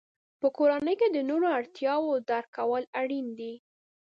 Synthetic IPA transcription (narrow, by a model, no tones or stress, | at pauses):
pəkoɾanəjked̪ənoɾoaɽt̪jɑwod̪aɾkawəlaɽind̪i